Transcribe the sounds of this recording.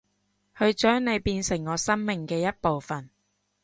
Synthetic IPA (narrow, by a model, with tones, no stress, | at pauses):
hɵ˨˧ɥt͡ʃœː˨˥ŋne˨˧jpiː˧nsɪ˨˩ŋːɔː˨˧sɐ˥ŋmɪ˨ŋkɛː˧jɐ˥t̚po˨wfɐ˨˩n